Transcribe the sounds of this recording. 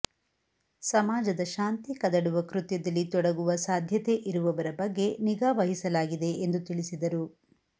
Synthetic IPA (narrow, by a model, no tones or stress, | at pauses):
sɐmaːd͡ʒɐd̪ɐʃaːnt̪ikɐd̪ɐɽuʋɐkɾut̪jɐd̪ɐlːit̪ɔɽɐɡuʋɐsaːd̪ʱjɐt̪e̞ʔiɾuʋɐʋɐɾɐbɐɡːe̞niɡaːʋɐɦisɐlaːɡid̪e̞end̪ut̪iɭisid̪ɐɾu